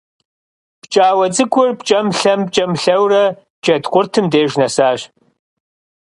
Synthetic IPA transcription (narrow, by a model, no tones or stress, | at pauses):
pt͡ʃʼaːwɐt͡sʼɨkʷʰʼʊrpt͡ʃʼɐmɬɐm̚t͡ʃʼɐmɬɐwrɐ | t͡ʃʼɐdqʷʼʊrtʰɨmdeːʒnɐsaːʒ